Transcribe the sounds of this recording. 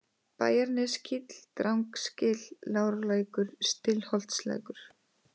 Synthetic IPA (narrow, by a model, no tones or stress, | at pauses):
pa̰ːjaɾnɪscʰit̪l̥t̪ɾawŋkscɪːlːaːwɾlaːjkʏɾ̥st̪ɪlhɔlt̪slɛ̰kʏɾ̥